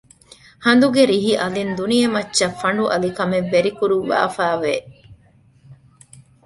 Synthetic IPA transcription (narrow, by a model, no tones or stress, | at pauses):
hɐnd̪uɡeɾiɦiʔɐlind̪unijɐmɐtːʃɐfːɐɳɖuʔɐlikɐmeʋːeɾikuɾuːa̰ːfaːʋe